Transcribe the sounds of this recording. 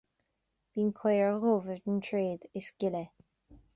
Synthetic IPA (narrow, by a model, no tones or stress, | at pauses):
v̥iːnkʰɔjɹɣoːvəɹdntʰɹeːd̪ɪsɡɪlɛ